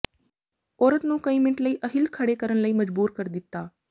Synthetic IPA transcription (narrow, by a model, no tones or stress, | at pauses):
oːɾət̪nũːkəimɪɳʈləiːʔəɦilkʰəɽekəɾəɳləiːməd͡ʒbuːɾkəɾd̪ɪt̪ːaː